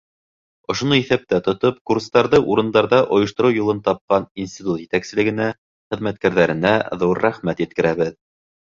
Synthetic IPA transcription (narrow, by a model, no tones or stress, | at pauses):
ŏʃŏnɤiθæp̚t̪æt̪ŏt̪opkurst̪ɑɾðɤʔuɾɤ̆nd̪ɑɾðɑʔŏjɤ̆ʃt̪ŏɾɤwjulˠɤnt̪ɑp̚qɑninsʲt̪ʲit̪ut̪jɘ̆t̪æksɘ̆lɘ̆ɡɘ̆næ | χɘ̆ðmæt̪̚kæɾðæɾɘ̆næðuɾːæχmæt̪jɘ̆t̪̚kɘ̆ɾæβɘð